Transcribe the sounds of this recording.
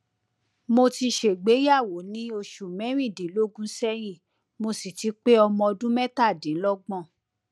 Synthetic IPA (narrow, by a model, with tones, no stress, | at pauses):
mo˧ti˧ʃe˨ɡ͡be˨˦ja˦˨wo˨˦nĩ˨˦o˧ʃu˨mɛ̃˨˦ɾ̃ĩ˦˨dĩ˨˦lo˦ɡũ˦sɛ˦j̃ĩ˦˨ | mo˧si˨ti˧˦k͡pe˦ɔ˧mɔ̃˧ɔ˧dũ˦mɛ˦ta˦˨dĩ˨˦lɔ˦ɡ͡bɔ̃˦˨